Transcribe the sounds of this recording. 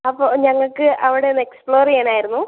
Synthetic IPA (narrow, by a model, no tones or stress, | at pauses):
ɐpːoːɲɐŋːɐɭkɨʔɐʋiɽe̞nːɐekspɭo̞ːreːnaːjiɾunːu